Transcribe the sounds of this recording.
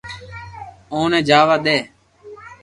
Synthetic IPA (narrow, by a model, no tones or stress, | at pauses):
õːnɛ̃ːd͡ʒaːʋaːɗ̪eː